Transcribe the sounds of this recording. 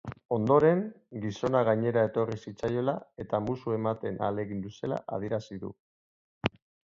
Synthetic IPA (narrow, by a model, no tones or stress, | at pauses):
o̞nd̪o̞ɾe̞ŋ | ɡiso̞naɣ̞aɲe̞ɾae̞t̪o̞risit͡sajo̞lae̞t̪amusue̞mat̪e̞na̰le̞ɣind̪use̞la̰ʔa̰ð̞ie̞ɾasiðṵ